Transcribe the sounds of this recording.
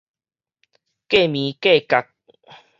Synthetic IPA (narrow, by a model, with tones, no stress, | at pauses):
ke˥˨mĩ˨˦ke˥˨ka˨k̚